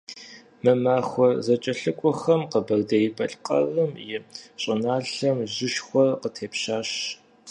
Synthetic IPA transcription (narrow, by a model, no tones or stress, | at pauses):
mɨmaːxʷɔzɐt͡ʃʼɐɬɨkʷʼɔxɐmqəbɐrdɐjpʰɐɬʼqɐ̰lɨmjɪɕʼɐnaːɬɐmʑɪʃxʷɔrqətʰeːpɕaːɕ